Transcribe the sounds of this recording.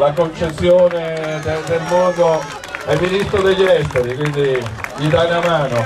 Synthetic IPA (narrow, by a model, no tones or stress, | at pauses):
lakont͡ʃesːjoːned̪et̪elmɔːd̪o | ɛmːinist̪ɾod̪eʎːɛst̪at̪ik̬wind̪iʎid̪anamaːno